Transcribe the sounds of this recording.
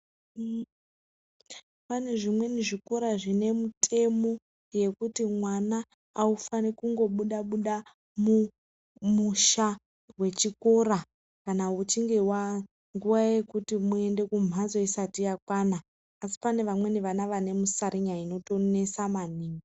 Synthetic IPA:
pane̞ʐimwe̞niʐiko̞ɾaʐine̞mutʰe̞mo̞ | je̞kutimwanaː | ufanikuŋɡo̞ɓuɗaɓuɗa | mu | muʃa | we̞t͡ʃiko̞ɾa | kanaut͡ʃiŋɡe̞wa | ŋɡuʋaje̞kutimue̞nde̞kum̤azo̞isatijakwanaː | si̥pane̞ʋamwe̞niʋanaʋane̞musaɾiɲaino̞to̞ne̞samaniːŋɡi

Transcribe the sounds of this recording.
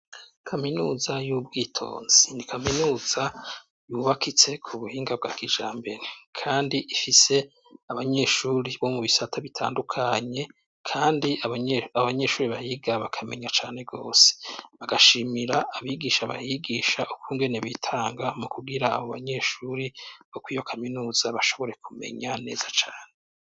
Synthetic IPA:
kʰaminuːzajuːb̚ɡiːtʰo̞̰ːnz̥inikʰaminuːz̥a | juβakʰit͡se̞kʰuβuhiːŋɡab̚ɡa̰ːkiʒaːmbe̞ɾekʰaːndiʔifise̞ | aβaɲe̞ʃuɾiβo̞muβisatʰaβitʰa̰ːndukʰaɲe̞ | kʰaːndiaβaɲe̞ʃuːɾiβahiːɡaβakʰame̞̰ɲat͡ʃaːne̞bɡo̞ːse̥βaɡaʃiːmiɾaːβiɡiʃaβa̰hiɡiːʃaʔukʰuːŋɡe̞ne̞βitʰaːŋɡamukuɡiɾaːβoβa̰ɲe̞ʃuɾiβokwiːjo̞kʰaminuːz̥aβaʃo̞βo̞ɾe̞kume̞̰ɲane̞̰ːzat͡ʃaːne

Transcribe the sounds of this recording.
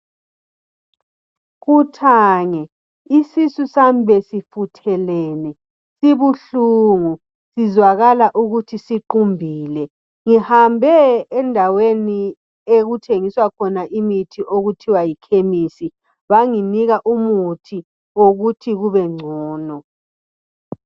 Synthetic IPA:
ɣutʰaːŋɛ | isisusambʱɛsifutʰɛlɛːnɛ | siβuɬuŋu | sizwaɣalaʔuɣutʰisiǃumbʱiːlɛ | ŋihambʱɛːndʱaweni | eɣutʰeŋiswakʰɔnaʔimitʰiʔoɣutʰiwajikʰemisi | βaŋiniɣaʔumutʰi | oɣutʰiɣuβɛŋ͡ǀʱɔːnɔ

